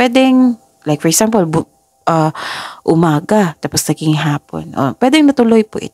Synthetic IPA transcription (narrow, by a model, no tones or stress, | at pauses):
pwɛːd̪ɛŋ | lajk̚fɔɹɛksampɔlb | ʔɐʔʊmaːɡat̪aːposnɐɡɪŋɦaːpo̰nʔo̰pwɛːd̪ɛŋnɐt̪ʊlojpoʔɪ̰t̪